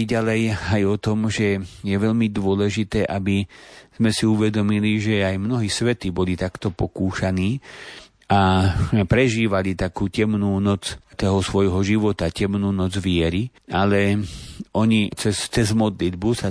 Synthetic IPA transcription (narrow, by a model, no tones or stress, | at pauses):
ɟalɛjajɔt̪ɔmʒɛjɛʋɛʎmid̪ʊɔlɛʒit̪ɛːʔabiz̥mɛsiuʋɛd̪ɔmiliʒɛajmnɔɦiːsʋɛt̪iːbɔlit̪akt̪ɔpɔkuːʃaniː | apɾɛʒiːʋalit̪akuːcɛmnuːnɔt͡st̪ɔɦɔsʋɔjɦɔʒiʋɔt̪acɛmnuːnɔd͡zʋɪɛɾi | alɛʔɔɲit͡sɛst͡sɛzmɔd̪lid̪busa